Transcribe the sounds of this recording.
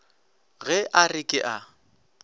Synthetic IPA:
ɣɛʔarɪkʼɪʔa

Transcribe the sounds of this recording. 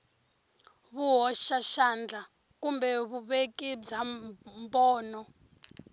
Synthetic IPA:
βuɦɔʃaʃand͡ɮa | kumbɛβuβekid͡zambɔːnɔ

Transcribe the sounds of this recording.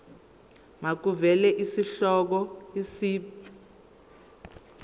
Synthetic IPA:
ŋak̬uvɛlɛʔisiɬɔk̬ɔisiːpi̥

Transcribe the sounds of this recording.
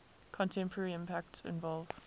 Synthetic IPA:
kʰɔ̃ntʰɛ̃mpʰəɹəɹiɪ̃mpʰæk̚tsɪ̰̃nvɔlˠv

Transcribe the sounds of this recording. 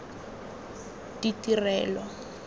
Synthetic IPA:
ditirɛːlɔ

